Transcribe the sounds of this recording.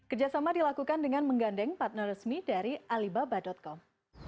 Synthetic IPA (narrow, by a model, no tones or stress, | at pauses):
kərd͡ʒasamadilakukandəŋanməŋɡandɛŋpat̪̚nərəsmidaɾiʔalibabadɔt̪̚kɔm